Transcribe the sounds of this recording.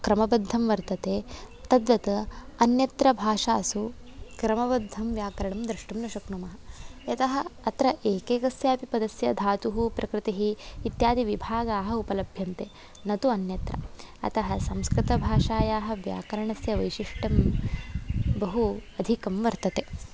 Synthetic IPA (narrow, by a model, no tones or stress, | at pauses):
kɾɐmɐbɐd̪ʱːɐmʋɐɾt̪ɐt̪eːt̪ɐd̪ʋɐt̪ɐɐnjɐt̪ɾɐbʱaːʂaːsu | kɾɐmɐbɐd̪ʱːɐmʋjaːkɐɾɐɳɐmd̪ɾɐʂʈɐmnɐʃɐkɳumɐɦɐ̆jɐt̪ɐɦɐ̆ɐt̪ɾɐʔeːkeːɡɐsjɐɐpipɐd̪ɐsjɐd̪ʱaːt̪uɦupɾʔɐkɾɪt̪iɦiːt̪jaːd̪iʋibʱaːɡaːɦɐ̆upɐlɐbʱjɐnt̪eː | nɐt̪uɐnjɐt̪ɾɐ̰ɐ̰t̪ɐɦɐsɐmskɾɪt̪ɐbʱaːʂaːjaːɦɐ̆ʋja̰ːkɐɾɐɳɐsjɐʋɐjʃiʂʈɐm | bɐɦuɐd̪ʱikɐmʋɐɾt̪ɐt̪e